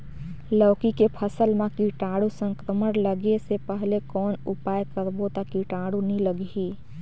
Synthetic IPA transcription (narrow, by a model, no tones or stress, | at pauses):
ləwkikepʰəsəlmekiʈaɽusə̃ŋkɾəmənləɡesepəɦlekɔnupajkəɾbot̪akiʈaɽuniləɡɦi